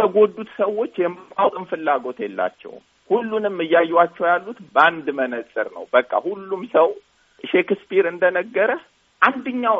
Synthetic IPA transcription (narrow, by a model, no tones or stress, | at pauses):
əɡo̞d̪ːut̪səwːo̞t͡ʃːjɛmːɨkʼawt̪ʼɨmfɨlːaɡo̞t̪jɛlːa̰t͡ʃːɛ̰w | hulːunɨmːɨjːajːat͡ʃːɛwjalːut̪band̪mənəsʼɨ̰ɾnə̰wbəkʼːa̰hulːumsəw | ʃekɨspʰiɾɨnd̪ənəɡːəɾə | ʔand̪ɨɲːaw